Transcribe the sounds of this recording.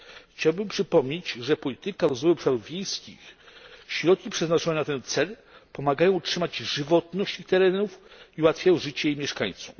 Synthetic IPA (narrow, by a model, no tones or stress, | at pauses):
xt͡ɕawbɘmpʂɘpɔmɲed͡ʑʐɛpɔlʲit̪ɘkaɾɔzvɔjɔpʂaɾuvvʲjejskʲḭxɕɾɔt̪̚kʲipʂɛznat͡ʂɔnɛnat̪ɛnt̪sɛlpɔmaɡajɔ̃w̃utʂɘmad͡ʑʐɘvɔt̪nɔɕt͡ɕ̪ixt̪ɛɾɛnufiwat̪fʲjajɔw̃ʐɘt͡ɕɛjejmʲjɛʂka̰ɲt̪suf